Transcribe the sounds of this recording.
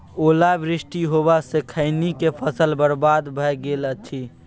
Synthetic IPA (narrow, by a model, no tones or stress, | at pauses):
oːlaʋɾɪsʈiɦobasekʰəɪnikepʰəsəlbəɾbaːd̪bʱəjɡeːlət̪ʰi